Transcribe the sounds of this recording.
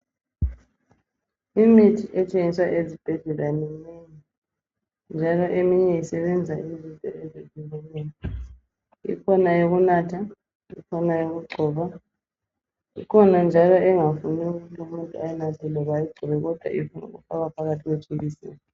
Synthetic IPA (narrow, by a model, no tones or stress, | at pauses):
imitʰiʔɛt͡ʃʼeŋiswaʔezib̥ʱɛɮɛlanɛneɲi | nd͡ʒʱalɔʔemiɲɛisɛβɛnd͡zʱaizintʼɔ̰ɛzezilɛlɛːnɔ | ḭkʰɔnajoɣunaːtʰa | ḭkʰɔnajoɣuɡ͡ǀʱɔːβa | ḭkʰɔnand͡ʒʱalɔɛŋafuniuɣutʰlumuntʼuajɛnatʰɛlɛβajiɡ͡ǀʱɔβɛɣɔd̥ʱwa̰ifunṵɣṵfaβapʰaɣatʰiɣwet͡ʃʰʼeɣisɛ̰ːjɔ